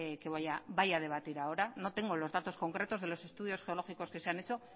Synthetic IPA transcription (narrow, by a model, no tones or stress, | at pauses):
ekeβajaβajaðe̞βat̪iɾaoɾanot̪e̞ŋɡo̞lo̞zðat̪o̞sko̞ŋkɾe̞t̪o̞zðelo̞se̞st̪uðio̞sxe̞olo̞xiko̞skeseanet͡so̞